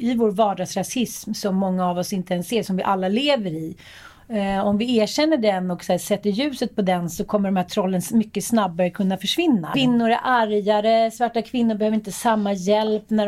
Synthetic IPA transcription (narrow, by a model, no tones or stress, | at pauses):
ɪvoːɾvɑːɖaɡsɾasɪsmsɔmːɔŋːaːvɔsɪnt̪əɛnseːʂɔmvɪʔalːaleːvəɾɪ | ɔmvɪæːɕɛnːəɖɛnɔksæːsɛt̪ːəɾjʉ̟ːsət̪̚pʰɔd̪ɛnsɔkʰɔmːəɖɔmhæːʈ̪ʰɾɔlːənmʏkːəsnabːaɾəkʰɵnːafœʂvɪnːa̰vɪnːʊɾæʔaɾjaɾəsvaʈːakʰvɪnːʊɾbɛhøːvɾɪnt̪əsamːajɛlpnæ